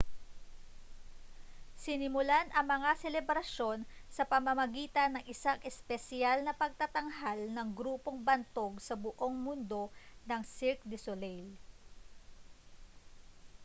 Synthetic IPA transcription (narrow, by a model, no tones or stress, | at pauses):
sɪnɪmʊlanʔɐŋmɐŋasɛlɛbɾɐʃo̞nsɐpɐmɐmɐɡiːt̪ɐnɐŋʔɪsaŋʔɛspɛsɪalnɐpɐɡ̚t̪ɐt̪ɐŋɦalnɐŋɡɾuːpo̞ŋbɐnt̪o̞ɡsɐbʊʔo̞ŋmʊnd̪o̞nɐŋsɪɾk̚d̪ɪsolɛjl